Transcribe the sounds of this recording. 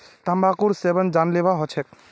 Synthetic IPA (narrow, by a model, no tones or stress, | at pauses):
t̪ambakuɾsebənd͡ʒanlebaɦɔt͡ʃʰɛk̚